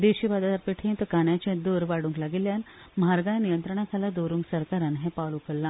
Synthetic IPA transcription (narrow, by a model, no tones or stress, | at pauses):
d̪eɕiʋad̪at̪aɾpeʈʰẽnt̪kaɳjat͡ɕẽd̪oɾʋaɽũŋklaɡiljan | mɦaɾɡajnijənt̪ɾəɳ̃akʰalad̪oɾũŋksəɾkaɾanɦẽpaɭukəlːã